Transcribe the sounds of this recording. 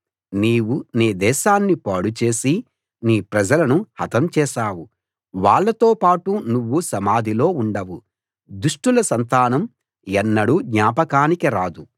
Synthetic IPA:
niːwuneːd̪ɛːʃaːnːipaːɽut͡ʃe̞ːsi | niːpɾɐd͡ʒɐlɐnuhɐt̪ɐmt͡ʃɛːʃaːwu | ʋaːɭːɐt̪o̞ːpaːʈunuʋːusɐmaːd̪ʱilo̞ːuɳɖɐwu | d̪uʂʈulɐsɐnt̪aːnɐm | ɛnːɐɽuɡɲaːpɐkaːnikiɾaːd̪u

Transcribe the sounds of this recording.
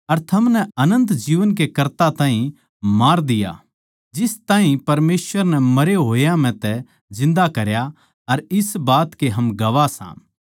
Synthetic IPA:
ɐɾt̪ʰɐmnɛɐnə̃nt̪d͡ʒiːʋənk̬ekɐɾt̪at̪aːɦĩ | maːɾd̪ɪja̰ | d͡ʒɪst̪aːɦĩpɐɾmeːsʋəɾnɛmɐɾeɦoːjãm̤ɛ̃t̪ɛ | zɪ̃nd̪akɐɾja | ɐɾɪsbaːt̪keɦɐmɡɐʋasã̰ː

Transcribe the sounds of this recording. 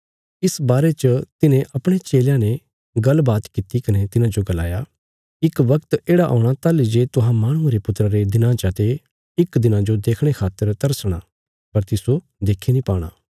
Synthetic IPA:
ɪsbaːɾet͡ʃət̪ɪnẽʔɐpɽ̃et͡ʃeːljãne | ɡɐlbaːt̪kit̪ikɐnet̪ɪnãd͡ʒoɡɐla̰ːja | ɪkʋɐkt̪eːɽaʔɔ̰ːʊɽ̃at̪alid͡ʒet̪ʊɦãmaːɽ̃ʊ̃ãɾepʊt̪ːɾaɾed̪ɪnãːt͡ʃat̪e | ɪkd̪ɪnãd͡ʒod̪eːkʰɽ̃ekʰaːt̪ːəɾt̪ɐɾsɽ̃aː | pɐɾt̪ɪso | d̪eːkʰenĩpaːɽ̃a̰ː

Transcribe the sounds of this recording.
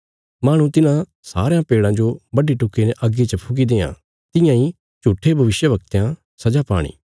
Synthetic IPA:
maːɽ̃ũt̪ɪnã | sa̰ːɾejãpeːɽãːd͡ʒobɐɖiʈʊkineʔəɡːit͡ʃəpʰʊɡid̪eːã̰ː | t̪ɪjãi | t͡ʃuːʈʰːebʱɐʋɪʃjəʋɐk̚t̪jã | sɐd͡ʒapa̰ːɽ̃ḭː

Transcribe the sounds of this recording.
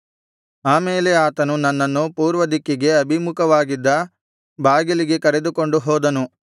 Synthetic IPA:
aːmeːleaːt̪ɐnunɐnːɐnːupuːɾʋɐd̪ikːiɡe̞ɐbʱimukɐʋaːɡid̪ːɐ | baːɡiliɡe̞kɐɾe̞d̪uko̞ɳɖuɦɔːd̪ɐnu

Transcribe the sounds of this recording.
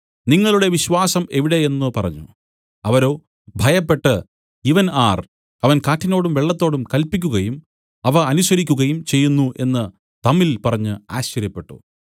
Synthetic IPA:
niŋːɐɭuɽe̞ʋiɕʋaːsɐme̞ʋiɽe̞enːɨpɐrɐ̰ɲːṵ | ɐʋɐɾo̞ː | bʱɐjɐpːe̞ʈːɨ | iʋɐnaːr | ɐʋɐnkaːʈːino̞ːɽumʋe̞ɭːɐt̪ːo̞ːɽumkɐlpikʲːuɣɐjum | ɐʋɐɐnusɐɾikʲːuɣɐjumt͡ɕe̞jːunːuʔe̞nːɨ | t̪ɐmilpɐrɐɲːɨaːɕɐɾjɐpːe̞ʈːṵ

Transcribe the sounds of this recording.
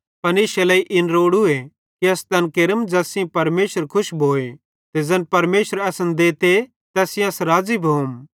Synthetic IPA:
pɐnɪːʃelɐːiʔɪnɾoːɽue | kiɐst̪ɐnkeɾəmd͡ʒɐːsĩpɐɾmeːʃəɾkʰʊʃbʱoːe | t̪ed͡ʒɐnpɐɾmeːʃəɾɐsənd̪eːt̪e | t̪ɛːsɪ̃j̃ɐsɾaːd͡ʒibʱoːm

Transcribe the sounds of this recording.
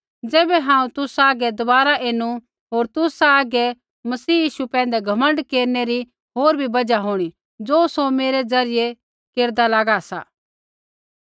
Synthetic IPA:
d͡zɛːbɛɦãːũt̪ʊsaːɡɛd̪ʊbaːɾaʔeːnu | ɦoːɾt̪ʊsaːɡɛ | mɐsiːjiːʃupɛ̃ːnd̪ɛɡʱɐmə̃ɳɖkeːɾneɾi | ɦoːɾbʱibɐd͡ʒaɦoːɽ̃i | d͡zoːsomeːɾed͡zɐɾɪje | keːɾd̪alaːɡasa̰ː

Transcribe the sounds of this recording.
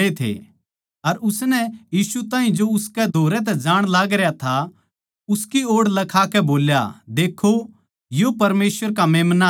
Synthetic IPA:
et̪ʰḛ | ɐɾʊsnɛjiːsut̪ãːɦĩd͡ʒoʊskɛd̪ʱoːɾɛt̪̬ɛd͡ʒãːɽ̃laːɡɾejat̪ʰa | ʊskioːɽlɐkʰakɛboːlja̰d̪eːkʰːo | jopɐɾmeːswəɾkameːmna

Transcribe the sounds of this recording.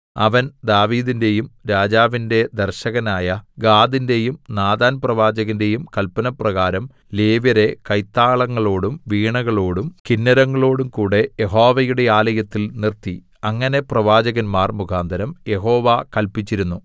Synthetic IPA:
ɐʋɐnd̪aːʋiːðinde̞jumɾaːd͡ʑaːʋinde̞d̪ɐrɕɐɣɐnaːjɐɡaːd̪inde̞jumnaːd̪aːnprɐʋaːd͡ʑɐɣɐnde̞jumkɐlpɐnɐprɐɣaːɾɐm | leːʋɐɾe̞kɐjt̪ːaːɭɐŋːɐɭo̞ːɽumʋiːɳɐɣɐɭo̞ːɽumkinːɐɾɐŋːɐɭo̞ːɽumkuːɽe̞jeɦo̞ːʋɐjuɽe̞aːlɐjɐt̪ːilnirt̪i | ɐŋːɐne̞prɐʋaːd͡ʑɐɣɐnmaːrmukʰaːnd̪ʱɐɾɐmje̞ɦo̞ːʋakɐlpit͡ɕːiɾunːu

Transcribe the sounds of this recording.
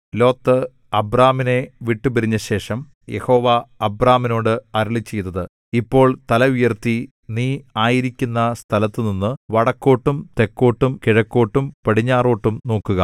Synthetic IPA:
lo̞ːt̪ːɨ | ɐbraːmine̞ʋiʈːupɐɾiɲːɐɕe̞ːʂɐm | je̞̰ho̞ːʋaɐbraːmino̞ːɽɨɐɾɐɭit͡ɕːe̞jt̪ːɐðɨ | ipːo̞ːɭt̪ɐlɐujɐrt̪i | niːaːjiɾikʲːunːɐst̪ʰɐlɐt̪ːɨninːɨʋɐɽɐkːo̞ːʈːumt̪e̞kːo̞ːʈːumkiɻɐkːo̞ːʈːumpɐɽiɲːaːro̞ːʈːumno̞ːkːuɣɐ̰

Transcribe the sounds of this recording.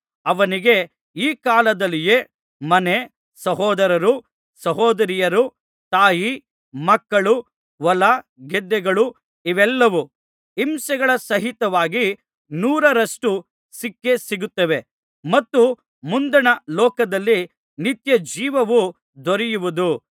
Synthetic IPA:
ɐʋɐniɡe̞ | iːkaːlɐd̪ɐlːijeː | mɐne | sɐɦɔːd̪ɐɾɐɾu | sɐɦɔːd̪ɐɾijɐɾu | t̪aːji | mɐkːɐɭu | ʋɐlɐɡɛd̪ːɛɡɐɭu | iʋɛlːɐʋu | imsɐɡɐɭɐsɐɦit̪ɐʋaːɡi | nuːɾɐɾɐʂʈu | sikːe̞siɡut̪ːɐʋe̞ | mɐt̪ːu | mund̪ɐnɐlɔːkɐd̪ɐlːi | nit̪jɐd͡ʒiːʋɐʋu | d̪ɔɾijuʋud̪u

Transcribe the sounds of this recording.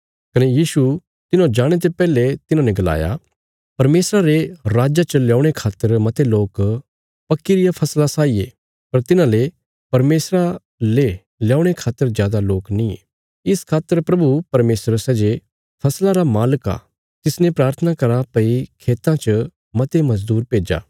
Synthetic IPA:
kɐnejiːsu | t̪ɪnõd͡ʒaːɽ̃et̪̬epɛːlet̪ɪnãnɛ̃ɡɐla̰ːja̰ | pɐɾmeːsɾaɾeɾaːd͡ʒat͡ʃəljaːɽ̃ekʰaːt̪ːəɾmɐt̪eloːk | pɐkːiɾɪjapʰɐslasaːiḛ | pɐɾt̪ɪnãle | pɐɾmeːsɾa | le | ljaːʊɽ̃ekʰaːt̪ːəɾzjaːd̪aloːknĩ | ɪskʰaːt̪ːəɾpɾɐbupɐɾmeːsɾsɛːd͡ʒe | pʰɐslaɾamaːləka̰ː | t̪ɪsnẽpɾaːɾt̪ʰənakɐɾapɐikʰeːt̪ãt͡ʃə | mɐt̪emɐd͡ʒd̪uːɾpeːd͡ʒa̰ː

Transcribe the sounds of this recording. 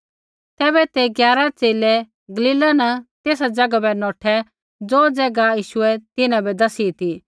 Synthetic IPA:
t̪ɛːbɛt̪eɡjaːɾat͡seːlɛ | ɡɐliːlanɐt̪eːsad͡zɐɡabɛnɔːʈʰɛ | d͡zoːd͡zɛːɡajiːʃʊɛt̪ɪnãbɛd̪ɐsit̪i

